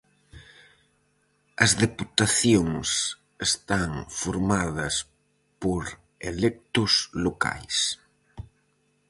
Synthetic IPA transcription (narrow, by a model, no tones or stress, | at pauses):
ɐzðeput̪aθjoŋs | est̪aŋfoɾmaðɐs | poɾ | elɛk̚t̪ʊsloka̰js